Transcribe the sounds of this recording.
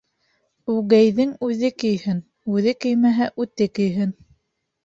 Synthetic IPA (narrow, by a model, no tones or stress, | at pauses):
ʉɣæjðɘŋʉðɘkɘ̆jhɘn | ʉðɘkɘ̆jmæɦæʔʉt̪ɘkɘ̆jɦɘn